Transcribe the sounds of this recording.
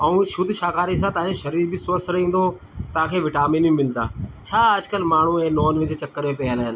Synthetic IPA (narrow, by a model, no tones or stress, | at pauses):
ɐũːʃʊd̪ʱʃaːkaːɾis̬ãːt̪ãːẽʃɐɾiːɾbʱisəst̪ɾĩːnd̪oː | t̪ãːkʰeːʋɪʈaːmiːnĩmɪlt̪aːt͡ʃʰaːəd͡ʒkəlmaːɳ̤ũẽːnoːnʋɪd͡ʒet͡ʃɐkːəɾmẽːpɛɦəlɦɪn